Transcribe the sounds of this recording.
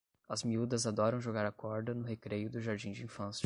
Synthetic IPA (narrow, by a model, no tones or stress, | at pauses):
ɐzmiud̪ɐzad̪ɔɾɐ̃w̃ʒoɡaɾɐkɔɾd̪ɐnʊɦekɾejʊd̪ʊʒaɾd͡ʒĩd͡ʒɪĩfɐ̃s